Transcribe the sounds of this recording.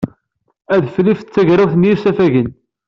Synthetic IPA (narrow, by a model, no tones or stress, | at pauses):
æðflift͡sːæʝɾawθnjiɾsæfæʝən